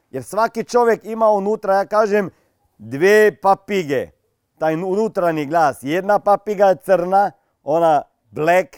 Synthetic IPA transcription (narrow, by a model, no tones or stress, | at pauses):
jɛɾsʋakit͡ʃoːʋjɛkimaunuːt̪ɾajaːkaːʒɛm | d̪ʋeːpapiɡɛ̰ | t̪aːjnunuːt̪ɾaniɡlaːsjɛd̪napapiɡajɛt̪səɾna | oːna | blɛk